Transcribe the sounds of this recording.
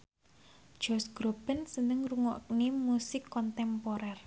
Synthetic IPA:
d̥ʒ̥ɔsɡ̥ɾob̥ənsənɪŋruŋɔʔknimusɪkːɔnt̪ɛmpɔɾɛr

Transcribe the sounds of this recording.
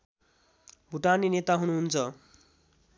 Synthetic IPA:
bʱuʈaninet̪aɦunuɦunt͡sʰʌ

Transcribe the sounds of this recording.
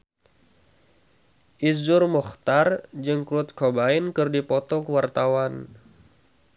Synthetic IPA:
ʔizʊrmɔxt̪ard͡ʒɨŋkɾʊt̪̚kʰɔbainkɨrdipɔt̪ɔkəwart̪awan

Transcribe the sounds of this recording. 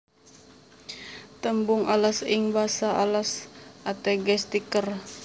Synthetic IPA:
t̪əmbʊŋalasɪŋbasaʔalasʔat̪ɛɡɛst̪ikər

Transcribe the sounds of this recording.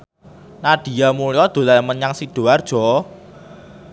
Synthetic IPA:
naɖ̪̥i̤jamulijɔd̪̥o̤lamənɲaŋsid̪̥o̤ard̥ʒ̥ɔ̤

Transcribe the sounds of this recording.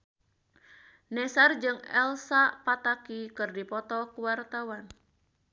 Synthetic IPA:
nɛsard͡ʒɨŋɛlsapat̪akikɨrdipɔt̪ɔkuwart̪awan

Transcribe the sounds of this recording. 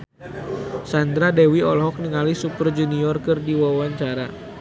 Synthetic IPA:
sand̪ɾadɛwiɔlɦɔk̚nəŋalisupərd͡ʒuniɔrkɨrdiwawaɲt͡ʃaɾa

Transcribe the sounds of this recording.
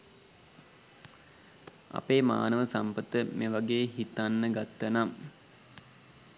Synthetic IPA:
ɐ̰peːma̰ːnəʋəsampət̪əmeːʋaɡeːɦit̪anːəɡat̪ːənam

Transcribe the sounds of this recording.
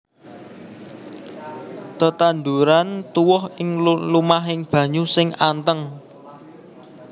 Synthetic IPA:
t̪ət̪and̪uɾant̪uwʊɦɪŋllumaɦɪŋb̥ä̤ɲusɪŋant̪əŋ

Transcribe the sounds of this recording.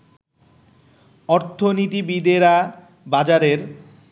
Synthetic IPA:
ɔɾt̪ʰonit̪ibid̪eɾa | bad͡ʑaɾeɾ

